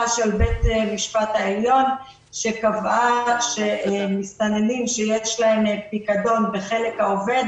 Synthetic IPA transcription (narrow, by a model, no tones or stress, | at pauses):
aʃelbet̪emiʃpat̪haeljo̞n | ʃe̞kavaʃemist̪anelimʃejeʃlaempikado̞nbe̞χe̞le̞khaove̞d̪